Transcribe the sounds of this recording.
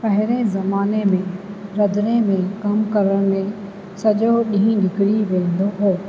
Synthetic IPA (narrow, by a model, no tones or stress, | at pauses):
pɐɦɪɾẽzɐmaːnemẽɾɐd̪ɾẽmẽkɐmkɐɾəɽ̃mẽ | sɐʄoɗĩɦĩnɪkɪɽiʋẽːn̆d̪oɦoː